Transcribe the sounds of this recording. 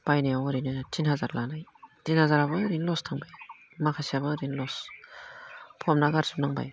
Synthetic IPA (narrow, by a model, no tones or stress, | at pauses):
b̥ajnijawɾinɯtinhazaɾlanajtinhazaɾabɯɾinlɔstʰaŋbaj | makʰasijabɯɾinlɔs | pʰɔmnaɡaɾsup̚naŋba̰j